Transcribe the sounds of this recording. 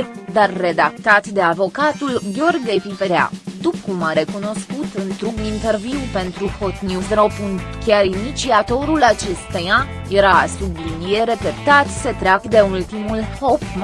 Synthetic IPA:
d̪arːe̞d̪akt̪at̪d̪e̞avo̞kat̪ulɡʲo̞rɡʲepipeɾa̰t̪ukumaɾe̞kuno̞skut̪ɨnt̪ɾumint̪e̞rviwpe̞nt̪ɾuhot̪njusɾo̞punkʲaɾinit̪t͡ʃsiat̪o̞ɾulat͡ʃe̞st̪ojaje̞ɾasublinijeɾe̞pep̚t̪at̪se̞t̪ɾeakd̪e̞ult̪imulho̞p

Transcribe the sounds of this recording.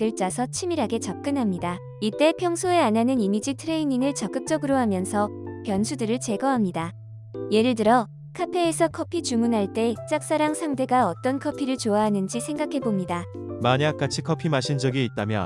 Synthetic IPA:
ɯɭt͡ɕ͈asʰʌt͡ɕʰimiɾaɡe̞t͡ɕʌp̚k͈ɯnɦamɲida | it͈e̞pʰjʌŋsʰoe̞ananɯnimid͡ʑitʰɯɾe̞iɲiŋɯɭt͡ɕʌk͈̚ɯp̚t͡ɕ͈ʌɡɯɾoɦamjʌnsʰʌpjʌnsʰudɯɾɯɭt͡ɕe̞ɡʌɦamɲida | je̞ɾɯɭdɯɾʌ | kʰapʰe̞ːsʰʌkʰʌpʰit͡ɕumunɦaɭt͈e̞t͡ɕ͈ak̚s͈aɾaŋsʰaŋde̞ɡaʌt͈ʌnkʰʌpʰiɾɯɭt͡ɕoaɦanɯnd͡ʑisʰe̞ŋɡakʰe̞bomɲidamaɲak͈at͡ɕʰikʰʌpʰimaɕʰind͡ʑʌɡiːt̚t͈amjʌ̰

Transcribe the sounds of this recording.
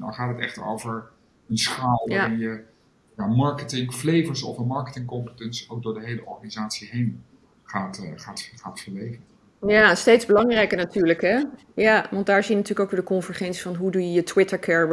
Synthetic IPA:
dɑ̰nχaːtətɛ̰χtəɹo̰wvəɹ | ənsχaːlˠʋaɪnjə | jaːmɑɹkətɪŋflejvəɹsɔ̰fəmɑɹkətɪŋkɔmpətənsowk̚dʊːɹdəɦejləʔɔ̰ɹχanizaːtsiɦejn | χaːtχaːtχaːtfəɹʋejvən | jastejdzbəlɑŋrɛjkənatyːɹləkɦɛ | jaʋɑnt̚daːɹzijənɐtyːləkowkʋɪːɹdəkɔnvəɹχɛnsi̥fɑnɦudujəjətʰwɪtəɹkʰɛɹ

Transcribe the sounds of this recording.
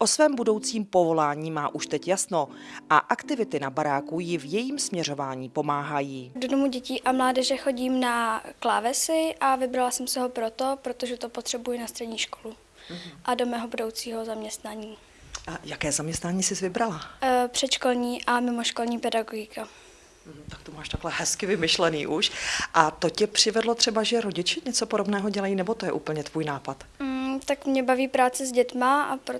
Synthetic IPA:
ʔosvɛːmbudo̞wt͡siːmpo̞vo̞laːɲiːmaːʔuʃt̪ɛcjasno | ʔaʔakt̪ɪvɪt̪ɪnabaɾaːkujɪvjɛjiːmsmɲɛr̝o̞vaːɲiːpo̞maːɦajiːdodomuɟɛciːʔamlaːdɛʒɛxo̞ɟiːmnaklaːvɛsɪʔavɪbɾalasɛmsɪɦo̞pɾot̪o̞pɾot̪oʒɛt̪opot̪r̝̥ɛbujɪnast̪r̥ɛdɲiːʃkolu | ʔado̞mɛːɦobudo̞wt͡siːɦo̞zamɲɛst̪naɲiː | ʔajakɛːzamɲɛst̪naːɲiːsɪzvɪbɾalapr̝̥ɛt̪ʃkolɲiːʔamɪmoʃko̞lɲiːpɛdaɡoɡɪkʰa | t̪ak̚t̪omaːʃt̪aklɛhɛskɪvɪmɪʃlɛnḭːʔuʃʔat̪ocɪpr̝̥ɪvɛdlo̞t̪r̥ɛbaʒɛɾoɟɪt͡ʃɪɲɛt͡sopodobnɛːɦoɟɛlajiːnɛbo̞t̪ojɛʔuːpl̩ɲɛt̪vuːjnaːpat̪m̩t̪akmɲɛbaviːpɾaːt͡sɪzɟɛt̪maapɾo

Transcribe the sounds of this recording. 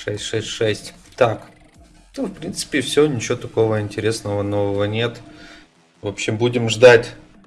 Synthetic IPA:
ʂɛsʲtʲʂɛsʲtʲʂɛsʲtʲt̪ak | nofpɾʲint̪sɨ̥pʲɪfsʲɪonʲɪt͡ɕɪvot̪ɐko̞vəɪnʲtʲɪɾʲe̞snəvəno̞vəvənʲe̞t̪ | vopɕɪmbudʲɪmʐd̪atʲ

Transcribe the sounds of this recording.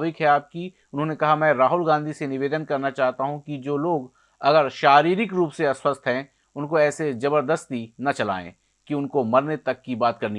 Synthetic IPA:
ʋɪkɦɛaːp̚ki | ʊnɦõːnekɐɦamɛ̃ːɾaːɦʊlɡãːnd̪ʱisenɪʋeːd̪ənkɐɾnat͡ʃaːɦt̪aɦũkid͡ʒoːloːɡ | ɐɡəɾʃaːɾiːɾɪkɾuːpseɐswəst̪ʰɦɛ̃ | ʊnkoɛːsed͡ʒɐbəɾd̪əst̪inɐt͡ʃɐla̰ːḛ̃ | kiʊnkomɐɾnet̪ɐkːibaːt̪kɐɾni

